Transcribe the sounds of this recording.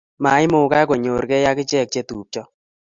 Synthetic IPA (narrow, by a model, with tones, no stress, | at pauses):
ma˨˦ɪ˦mʊ˨ka˦ko˨ɲo˨ɾkɛ˦ja˦kɪ˦t͡ʃɛ˦˨k̚t͡ʃe˦tuː˨p̚t͡ʃɔ˦